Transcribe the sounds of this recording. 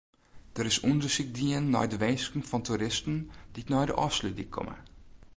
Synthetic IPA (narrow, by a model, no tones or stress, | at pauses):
d̥əɾɪsundəʃik̚diənːɔ̰jdəʋeːskŋ̩fɔntʰuɾɪstn̩d̥itnɔjdə̰ʔɔ̰slydikʰːɔ̰mə̰